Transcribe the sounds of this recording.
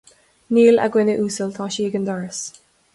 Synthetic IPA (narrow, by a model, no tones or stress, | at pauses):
niːla̰ɡwɪnɪʔuːsəlt̪ʰɔːʃiːɡənd̪ɔɹəs